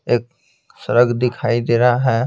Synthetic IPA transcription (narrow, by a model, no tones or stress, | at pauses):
eːk | səɾəɡd̪ɪkʰaːid̪eːɾaɦɛː